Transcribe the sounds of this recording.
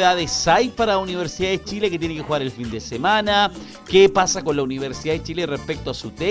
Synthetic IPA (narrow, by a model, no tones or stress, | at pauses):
ðaðesajpaɾauniβ̞eɾsiðaðet͡ʃileket̪̬jenekexuɣaɾelfind̪esemana | kepasako̞nlauniβeɾsiðaðet͡ʃilerehpek̚t̪oasut̪e